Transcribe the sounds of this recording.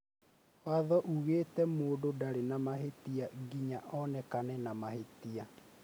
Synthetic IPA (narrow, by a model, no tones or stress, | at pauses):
waðɔʔuɣeːtɛmoːdodaɾenamaɦetiaɡiɲaʔɔnɛkanɛnamahetia